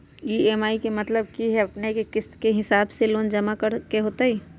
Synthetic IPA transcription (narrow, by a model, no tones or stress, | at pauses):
jieːmaːikemɐt̪ləb̚kiɦɛɐpnekekɪskeɦɪsaːbseloːnd͡ʒɐmakɐɾkeɦoːt̪aɦiː